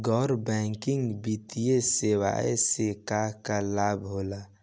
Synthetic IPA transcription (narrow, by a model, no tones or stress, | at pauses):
ɡɔːɾbɛ̃ːŋkɪ̃ŋɡbit̪ijesewa̰ːesekakalaːbɦoːla